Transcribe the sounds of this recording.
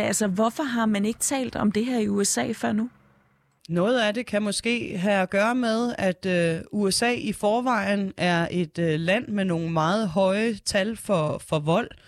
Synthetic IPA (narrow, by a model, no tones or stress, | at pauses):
ælsɐʋɒfɒɦɑ̈mæne̝ɡ̥ət͡sʰɛ̰ːld̥ɒ̽md̥e̝ɦæɐ̰iuesɛ̰ːfɶɐ̰nu | nɔ̽ːð̞̩ˠæde̝kʰæmɔ̽sɡ̥e̝̰ːɦææɡ̥ɶːɐmeð̞ˠæd̥øuesɛ̰ːifɒːʋɑ̈ɪ̰n̩æɐʔe̝d̥ølæn̰meno̝ːn̩mɑ̈ːð̞̩ˠɦɒ̽ɪət͡sʰælfɒ̽fɒ̽ʋɒ̽l̰